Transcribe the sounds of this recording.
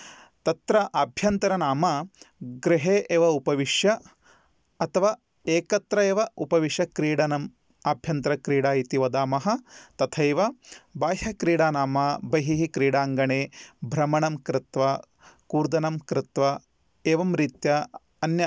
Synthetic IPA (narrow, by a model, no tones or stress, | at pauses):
t̪ɐt̪ɾɐʔaːbʱjɐnt̪ɐɾɐnaːmaɡɾɪɦeːʔeːʋɐupɐʋiʂjɐ | ɐt̪ʰɐʋaː | eːkɐt̪ɾɐeːʋɐupɐʋiʃjɐkɾiːɽɐnɐm | aːbʱjɐnt̪ɾɐkɾiːɽaːit̪iʋɐd̪aːmɐɦɐ̆t̪ɐt̪ʰɐjʋɐbaːɦɐkɾiːɽaːnaːmaːbɐɦiɦikɾiːɽaːŋɡɐɳeːbʱɾɐmɐɳɐmkɾɪt̪ʋɐ | kuːɾd̪ɐnɐmkɾɪt̪ʋɐ | eːʋɐmɾit̪jɐ | ɐnjɐ